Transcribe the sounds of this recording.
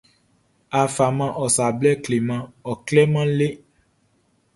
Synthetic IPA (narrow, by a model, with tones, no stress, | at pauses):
a˨fa˨mã˧ʔɔ˨sa˨blɛ˦˨kle˨mã˧ɔ˨klɛ˦mã˦le˦